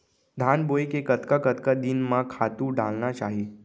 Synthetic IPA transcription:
d̪ʱanbojkekət̪kakət̪kad̪inmãkʰat̪ũɖalnat͡ʃaːɦe

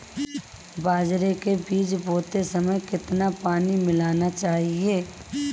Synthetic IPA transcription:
baːd͡ʒɾekebiːt͡ʃboːt̪esɐməjkɪt̪napaːnimɪlaːnat͡ʃaːɦieː

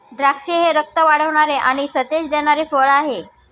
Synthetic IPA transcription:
d̪ɾakʂeɦeɾək̚t̪əʋaɽ̤əʋɳ̃aɾeʔaɽ̃isət̪ed͡ʑd̪eɽ̃aɾefəɭaɦe

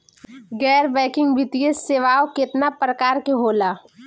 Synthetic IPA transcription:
ɡɛːɾbɛ̃ːkɪ̃ŋɡbʱɪt̪ijeseːʋaːokɪt̪napɾəkaːɾkeɦoːlaː

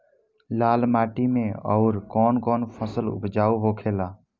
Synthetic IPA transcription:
laːlmaːʈimẽɔ̰ʊɾkɔːnkɔːnpʰəsəlʊ̰pd͡ʒaːuɦokʰeːlaː

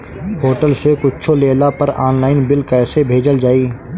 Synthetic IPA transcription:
ɦoːʈəlsekʊtːt͡ʃʰoleːlapəɾaːnlaːɪnbɪlkɛːsebʱeːd͡ʒəld͡ʒaːiː

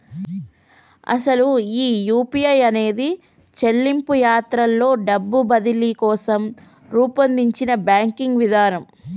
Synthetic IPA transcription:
ɐ̰sɐluiːjuːpijɐjɐne̞ːd̪i | t͡ʃelːimpujaːt̪ɾɐlːo̞ːɖɐbːubɐd̪ilikɔːsɐm | ɾuːpɐnd̪iɲt͡ʃinɐbjaːŋkiŋɡʋid̪aːnɐm

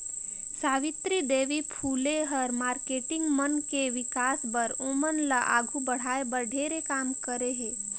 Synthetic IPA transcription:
saːʋɪt̪ɾid̪eːʋipʰuːleɦəɾmaːɾkeːʈɪ̃ŋɡmənkeʋɪkaːsbəɾõːmənlaʔa̰ːɡʱubəɽ̤aːebəɾɖʱeːɾekaːmkəɾeɦeː

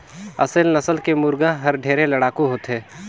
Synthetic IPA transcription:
ɐ̰səlnɐsəlkemʊɾɡãɦɐɾɖʱeːɾẽlɐɽaːkuɦoːt̪ɦɛː

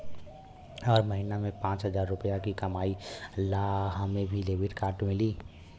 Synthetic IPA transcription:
ɔːɾməɦiːnamẽpãːt͡ʃɦəzaːɾːʊpəjakikɐmaːilaɦãmẽbʱileːʋɪʈkaːɾʈmɪliː

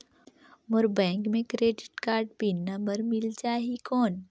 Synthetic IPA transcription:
mʊɾbɛ̃ːŋkmẽkɾeːɖɪʈkaːɾɖbinːambəɾmɪld͡ʒaːɦikɔːn

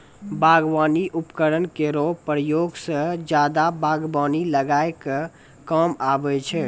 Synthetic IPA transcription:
bʱaːɡʋaniʔupkəɾənkeɾopɾəjoɡsə̃d͡ʒaːd̪abʱaːɡwaːniləɡaeke | kəmabɛt͡ʃʰɛ

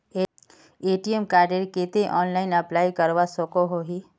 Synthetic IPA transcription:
e | eːʈiemkaːɾɖeɾket̪eʔɔːnlaːɪnɐplaːjkəɾʋasokoɦoɦi

